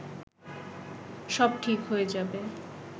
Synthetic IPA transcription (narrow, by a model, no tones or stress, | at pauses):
ʃɔb̚ʈʰikɦoed͡ʑabe